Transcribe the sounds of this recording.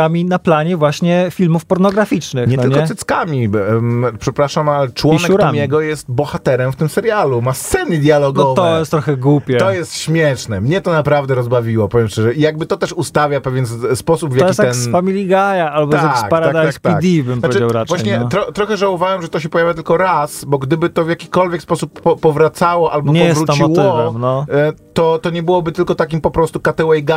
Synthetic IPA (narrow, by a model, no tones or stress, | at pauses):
amʲinaplaɲɛvwaɕɲɛfʲilmufpɔɾnɔɡɾafʲit͡ʂnɘɲɛt̪ɪlɲkɔɛɛt̪skamʲi | pʂɛpɾaʂamalt͡ʂwɔinɛuɾamjɛɡɔjɛst̪bɔxat̪ɛɾɛmft̪ɘmsɛɾjalumast̪sɛnəd̪ʲjalɔɡ̪ɔɔvt̪ɔɛjɛst̪t̪ːɾɔxɛɡwupʲjɛt̪ɔjɛst̪ɕmʲjɛʂnɛmɲɛt̪ɔnapɾavd̪ɛɾɔzbavʲiwɔpɔvjɛmʂtɛʐɛʔijaɡ̚bɘt̪ɔt̪ɛʂust̪avʲjapɛvʲjɛnspɔsubvjaksiɛnfamʲilʲiɡajaalbɔaaskpaɾaakd̪aakt̪iad̪ʲibɨmnp̪aveɨɛawɾavwaɕɲɛt̪ːɾɔt̪ɾɔxɛʐawɔvawɛmʐɛt̪ɔɕɛpɔjavʲjat̪ɘlkɔɾasbɔɡd̪ɘbɘt̪ɔvʲjakʲikɔlvʲjɛkspɔsupɔːɔvɾat̪sawɔʔalbɔɲɛɔjvɛsvɾɾut͡ɕmiɔw̪ɪvɛmnɔt̪ɔt̪ɔɲɛbɘwɔbɘt̪ɘlkɔt̪akʲimpɔpɾɔst̪ukat̪ɛwɛjɡa